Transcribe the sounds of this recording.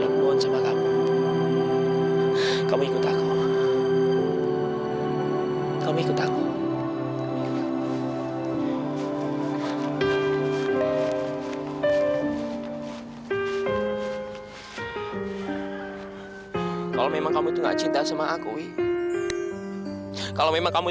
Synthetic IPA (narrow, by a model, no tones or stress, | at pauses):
ɾakloansamakamu | kamuikʊt̪aku | kamuikʊt̪aku | kalomemaŋkamut̪uŋɡa̰ʔt͡ʃint̪asamaʔakui | kalomemaŋkamu